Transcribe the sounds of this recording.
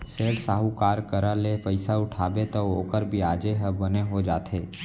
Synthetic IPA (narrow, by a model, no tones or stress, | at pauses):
seːʈsaːɦukaːɾkəɾalepəɪsaʊʈʰaːbet̪ooːkəɾbʱiaːd͡ʒeɦəbɐneɦod͡ʒaːt̪ʰeː